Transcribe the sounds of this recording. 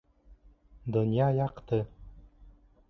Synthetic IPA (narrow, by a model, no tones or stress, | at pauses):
d̪ŏnjɑjɑqt̪ɤ